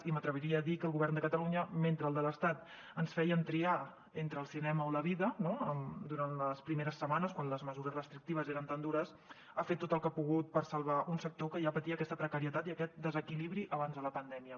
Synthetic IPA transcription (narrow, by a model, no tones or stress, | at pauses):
imət̪ɾəβ̞iɾiəːðikəːlˠɣuβɛrnd̪əkət̪əluɲəment̪ɾəlˠd̪ələst̪at̪ | ənsfɛjənt̪ɾia | ent̪ɾəːlˠsinɛməoləβ̞iðənoəmd̪uɾanləspɾimeɾəsːəmanəskwanləzməzuɾəzrəst̪ɾik̚t̪iβəzeɾənt̪and̪uɾəs | afet̪ːot̪əlˠkapuɣut̪̚pəɾsəlˠβaʔunsək̚t̪okəʒapət̪iəːkɛst̪əpɾəkəɾiət̪at̪iəkɛt̪̚d̪əzəkiliβɾiʔəβanzðələpənd̪ɛmiə